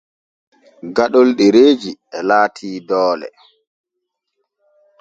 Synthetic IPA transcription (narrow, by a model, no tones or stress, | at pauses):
ɡaɗɔlɗɛɾeːd͡ʒiɛlaːtʰiːdɔːlɛ̰